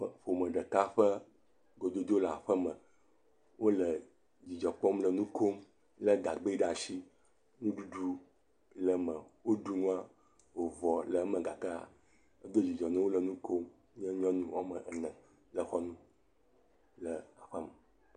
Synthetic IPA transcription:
ɸo˨mə̃˨ɖə˨ka˦ɸə˦ | ɡo˨d̪o˦d̪wo˦la̰˨ɸə˦mə̃˨ | wo˦lə˨ | d͡ʑi˨d͡ʒɔ˨k͡pɔ˦mlə˨nũ˦ko˦m | lə˦ɡa˨ɡ͡be˦ɖa˨ʃi˦ | nũ˦ɖu˦ɖu˦ | lə˨mə̃˨wo˦ɖu˦nũ˦a˦ | wo˨vɔ˨lə˨˦mə̃˨ɡa˨kə˦a̰˨ | ə˦ɡe˦d͡ʑi˨d͡ʒɔ˨nɛ̃˦wo˦lə˨nũ˦ko˦m | ɲɛ˦ɲɔ̃˦nũ˦wa˦mə̃˨ɛ˨nɛ̃˨ | lə˨xɔ˦nũ˦ | lə˨a˨ɸə˦mə˨

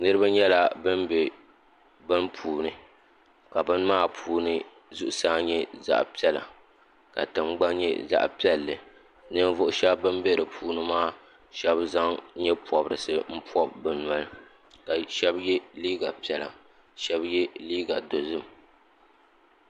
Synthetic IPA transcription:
nɨ˦ɾɨ˦ba˦ɲɛ˦la˨bɨ˦nbɛ˨ | bɨ˦npʰuː˨nɨ˨˦ | ka˨bɨ˦nmaː˦pʰuː˨nɨ˦ | zʊ˦ʔʊ˨saː˦ɲɛ˦za̰˦ʔpi˦ɛ˦la̰˨ | ka̰˨tɨ˨ŋ͡mɡ͡ba˦ɲɛ̰˦za̰˦ʔpi˦ɛ˦lːɨ̰˨ | nɨ˦n˦vʊ˦ʔʊ˦ʃɛ˦bbɨ˦mbe˦ɾɨ˨pʰuː˨nɨ˦maː˦ | ʃɛ˦bza˦ŋ˦ɲɛ˦pɔ˨bɾɨ̰˨sɨ˦m̩˦pɔ˦bbɨ˨na˨˦lɨ˨ | ka˨ʃɛ˦bjɛ˦liː˦ɡa˨pi˨˦ɛ˨la̰˨ | ʃɛ˦bjɛ˦liː˦ɡa˨do˨zɨ˦m

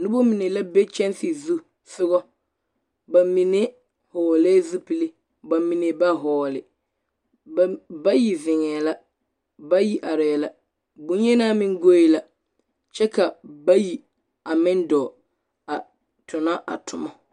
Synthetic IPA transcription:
nu˦bo˦mi˨ne˨la˦be˦t͡ʃɛ˦nsɪ˨zu˦ | sʊ˦ɣɔ˦ | ba˨mi˨ne˦ | hɔː˨lɛː˦zu˦pi˨le˦ | ba˨mi˨ne˨ba˦ɦɔː˨lɪ˨˦ | ba˦ji˨vɪ˨ŋɛː˨la˦ | ba˦ji˦ʔa˨ɾɛ˨la˦ | bʊ̃˦n˦jɛ˦naː˦mɪ˦ŋ˦ɡo˦i˦la˨ | t͡ʃɛ˦ka˨ba˦ji˨ | a˨mɪ˦ndɔː˨ | a˨ | tʰʊ˨na˦ʔa̰˨tʰʊ˨mɔ˦

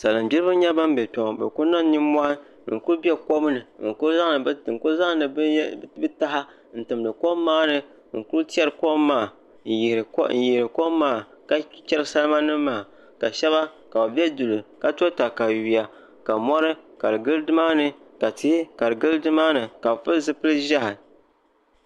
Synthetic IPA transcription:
sa˨lɨ˨m˨bʲi˦ɾɨ˦bɨ˦ɲɛ˦ba˦m˦bɛ˨tɔ˨ŋ˨bɛ̰˨ku˦na˦n˦ni˦mʷa˦ | ŋ̩˨ku˦ɾbi˦ɛ˦ko˦bnɨ˨ŋ̩˨ko˦za˦ŋ˦ɨ˨˦ŋ̩˨ko˦za˦ŋ˦nɨ˨˦bɨ˦ta˦ha˦ | n̩˨tɨ˨mdɨ˨ko˦mː˦aː˦nɨ˨ | ŋ̩˨ku˦ɾti˦ɛ˦ɾɨ˨koː˦aː˦˨ | jn̩˨ji˨ɾɨ˨ko˦mː˦aː˦˨ | ka˦t͡ʃʲɛ˦lɨ˦sa˦lma˦nɨ˦maː˦˨ | ka˨ʃɛ˦βa˦ | ka˨ba˨bʲɛ˦du˨lɨ˨ka˦to˦ta˨ka˨ɥi˨a˨ | ka˨mɔ˦ɾɨ˦ka˨ɾɨ˨ɡɨ˦lɨ˦dɨ˦maː˦nɨ˦ka˨ti˦hi˦ka˨ɾɨ˨ɡɨ˦ldɨ˦maː˦nɨ˨ka˨bfɨ˦lzɨ˦pɨ˦lɨ˦ʒa˦hɪ˨

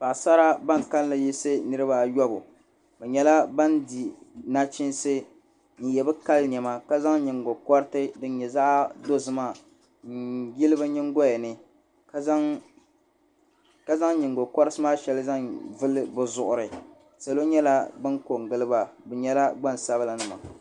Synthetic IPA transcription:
pa˨sa˦ɾa˦ba˦˨ŋ˨ka˦llɨ˨ji˦sɨ˦nɨ˦ɾɨ˦ba˨jɔ˦bʊ̰˨ | bɛ˨ɲɛ˦la˦ba˦ndi˨na˦t͡ʃɪ˦nsɨ˦ | n̩˨jɛ˨bɨ˦ka˦lɲ˨ɛ˨ma˦ka˦za˦ŋɲɪ˨ŋ˨ɡo˨kɔ˦ɾɨ˦tɨ˦dɨ˦n˦ɲɛ˨za˦ʔdo˦zɨ˦ma˦˨ | ŋ̩˨ji˦lɨ˦bɨ˦ɲɪ˦ŋ˦ɡo˦jɛ˨nɨ˨ | kzŋ | ka˦za˦ŋɲɪ˨ŋɡo˨kɔ˦ɾɨ˦sɨ˦maː˦ʃɛ˨lɨ˦za˦ŋvɨ˦lɨ˦bɨ˨zʊ˨ʔʊ˨ɾɨ˨ | sa˨lo˦ɲɛ˦la˦bɨ˦ŋko˨ŋ˨ɡɨ˦lɨ˦ba˨bɛ˨ɲɛ˦la˦ɡ͡ba˦˨n˨sa˦βɨ˦la˨nɨ˦˨ma̰˨

